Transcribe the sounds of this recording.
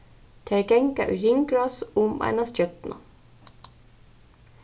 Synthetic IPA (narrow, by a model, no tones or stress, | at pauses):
t̪ʰæɹɡɛŋkɑ̰ʔʉɾɪŋɡɹɑːsʊmæ̰ɪnɑsjœt̪nɑ̰